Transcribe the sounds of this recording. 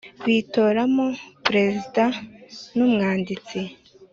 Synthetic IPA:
βito̞ːɾamopɾe̞zidanumŋaːndit͡si

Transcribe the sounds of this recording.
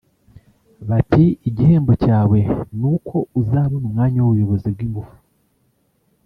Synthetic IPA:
βatiːɟihe̞ːmbo̞caːwe̞nukʰo̞uzaːβonumŋaːɲawuβujo̞βo̞zib̚ɡiːmbufu̥

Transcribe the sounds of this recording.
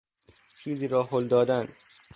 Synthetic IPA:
t͡ʃʰiːziːɾɒːɦold̪ɒːd̪æn

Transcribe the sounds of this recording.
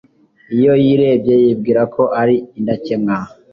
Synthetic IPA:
ijo̞jiɾe̞ːbje̞jib̚ɡiːɾakʰo̞ʔaɾiindaceŋŋa

